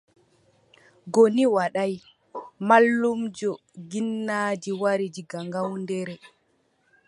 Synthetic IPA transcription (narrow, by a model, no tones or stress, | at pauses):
ɡoniwaɗaj | malːumd͡ʒɔ | ɡinːaːd͡ʒiwaɾid͡ʒiɡaŋɡawndɛɾɛ